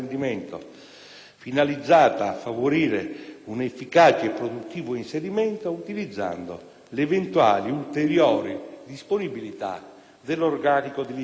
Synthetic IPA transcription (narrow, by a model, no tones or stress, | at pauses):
nd̪imɛnt̪o̰ | finalid̪zːaːt̪aːfːavoɾiːɾeunefːikaːt͡ʃeepːɾod̪ut̪ːiːvoinseɾimɛnt̪out̪ilid̪zːa̰nd̪o̰ | levent̪ua̰ːliult̪eɾjɔːɾid̪isponibilit̪a̰ | d̪elːorɡaːnikod̪ei